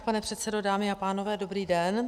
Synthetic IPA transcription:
panɛpr̝̥ɛt̪sɛdo̞daːmɪapaːno̞vɛːdo̞bɾiːdɛn

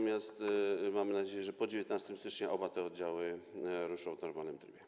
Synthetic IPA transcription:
mʲjast̪mamɘnad͡ʑejɛʐɛpɔd͡ʑevʲjɛt̪nast̪ɛmst̪ɘt͡ʂɲɛʔɔbat̪ɛɔd̪̚d͡ʑawɘɾuʂɔ̃w̃vnɔɾmalnɘmd̪ɾbʲjɛ

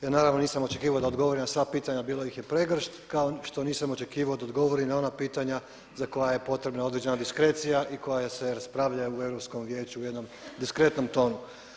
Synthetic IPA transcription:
jaːnaːɾaʋno̞niːsamo̞t͡ʃe̞kiːʋaod̪aod̪ɡo̞ʋoɾinasʋaːpiːt̪aɲabiːlojixjepɾeɡr̩ʃt̪kaoʃt̪o̞niːsamo̞t͡ʃe̞kiːʋao̞d̪aod̪ɡo̞ʋo̞ɾinao̞napiːt̪aɲa | zako̞jaje̞po̞t̪ɾe̞bnaod̪ɾed͡ʑe̞nad̪iskɾe̞t̪sijaʔiko̞jajase̞ɾaspɾaʋʎajeue̞vɾopsko̞mʋje̞ːt͡ɕuuje̞d̪no̞m | d̪iskɾe̞t̪no̞mt̪o̞ːnu

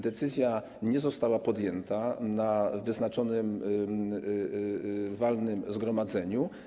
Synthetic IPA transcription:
d̪ɛt̪sɘzʲja | ɲɛzɔst̪awapɔd̪jɛnt̪anavɘznat͡ʂɔnɘm | valnɘmzɡɾɔmad̪zɛɲu

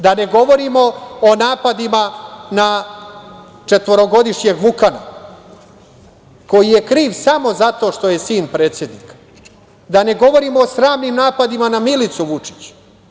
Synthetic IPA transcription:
d̪ane̞ɡo̞ʋo̞ɾimo̞onaːpad̪imana | t͡ʃe̞t̪ʋo̞ɾo̞ɡo̞d̪iʃɲe̞ɡʋukana̰ | ko̞jije̞kɾiːʋsamo̞zat̪o̞ːʃt̪o̞je̞siːnpɾe̞ːt̪sje̞d̪niːkḁ | d̪ane̞ɡo̞ʋo̞ɾimoːsɾaːmnimnaːpad̪imanamilit̪suʋut͡ʂi̥t͡ɕu̥

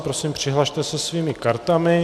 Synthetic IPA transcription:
pɾosiːmpr̝̥ɪɦlaʃt̪ɛsɛsviːmɪkaɾt̪amɪ

